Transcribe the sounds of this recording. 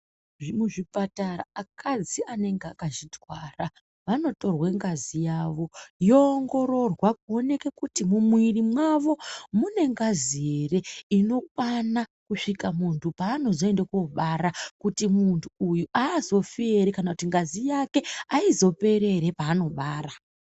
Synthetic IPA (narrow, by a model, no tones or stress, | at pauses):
ʐimuʐipataɾa̰akʰad͡ziane̞ŋɡeakaʐitwara | ʋano̞to̞rweŋɡazijaʋo̞joːŋɡo̞ɾo̞rwakuo̞ne̞ke̞kutimumwirimwaʋo̞mune̞ŋɡazie̞re̞ino̞k̚wanakuʂikamuntʰupaːno̞zo̞e̞ndekuoɓaɾakutimuntʰuujuʔaːzo̞fieɾekanakutiŋɡazijake̞aizo̞pe̞ɾe̞ɾe̞paːno̞ɓaːɾa